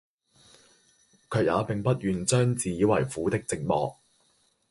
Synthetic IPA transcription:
kʰɵ˨ɥja̰ː˨˧pɪ˨ŋpɐ˥t̚jyː˨nt͡sœː˥ŋt͡siː˨jiː˨˧wɐ˨˩jfuː˨˥t̪ɪ˥k̚t͡sɪ˧k̚mɔ̰ː˨k̚

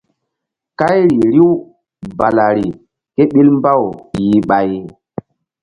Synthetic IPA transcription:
ka˦jɾi˨ɾi˦w | ba˨la˨ɾi˨ | ke˦ɓi˦lmba˦˨wji˨ɓa˨j

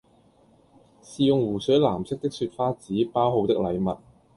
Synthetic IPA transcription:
siː˨jʊ˨ŋwuː˨˩sœ˨˥laː˨˩msɪ˥k̚t̪ɪ˥k̚syː˧t̚faː˥t͡siː˨˥paː˥wɦo˨˧wt̪ɪ˥k̚lɐ˨˧jmɐ˨t̚

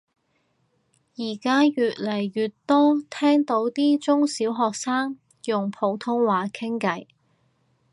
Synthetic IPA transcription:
jiː˨˩kaː˥jyː˨t̚lɐ˨˩jɥyː˨tt̪ɔː˥t̪ʰɛː˥ŋt̪o˨˥wt̪iː˥t͡sʊ˥ŋsiː˨˥wɦɔː˨k̚saː˥ŋ | jʊ˨ŋpʰo˨˧˥wt̪ʰʊ˥ŋwaː˨˩kʰɪ˥ŋkɐ˨˥j

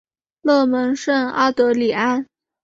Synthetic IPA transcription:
lɤ˥˩mə˧˥nʂə˥˧ŋa˥t̪ɤ˧˥li˨˩a˥n

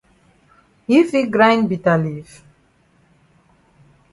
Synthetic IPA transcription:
i˦fi˦ɡɾã˦jnbi˨ta˨li˨f

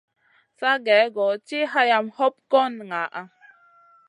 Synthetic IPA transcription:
sa˦ɡɛ˨˦ɡɔ˨t͡ʃi˦ɦa˦ja˧mhɔ˦p̚kɔ˦nŋa˨ʔa˨

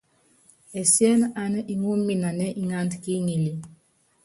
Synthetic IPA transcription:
ɛ˨sjɛ˦na˨nə˦ʔi˨ŋu˦mːi˨na˨nɛ˦ʔi˦ŋa˦ntki˦ŋi˨li˨

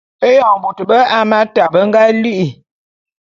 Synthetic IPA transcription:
e˦jɔ˨bu˨tə˨bə˦ʔa˦ma˦ta˨bə˦ŋ̩˦ɡa˦li˦ʔi˨

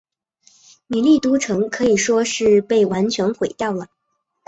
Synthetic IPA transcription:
ni˨˩li˥˩t̪u˥ʈ͡ʂʰɤ˧˥ŋkʰɤ˧˥i˨˩ʂwɔ˥ʂɻ̩˥˧pe˥˩ɪwa˧˥nt͡ɕʰɥɛ˧˥nxwe˨˩ɪt̪ɑ˥˩ʊlə˩

